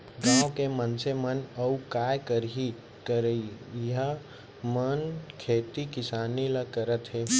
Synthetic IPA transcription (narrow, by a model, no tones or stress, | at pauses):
ɡãːwkemənsemənəukaːjkəɾɦi | kəɾəiɦə | mənkʰeːt̪ikɪsaːniləkəɾət̪ɦe